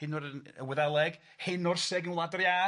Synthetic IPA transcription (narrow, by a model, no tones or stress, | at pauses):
ɪnʊɾənə̰wəðɛlˠɛɡ̥ | hɪnʊrsɛɡənlˠadrja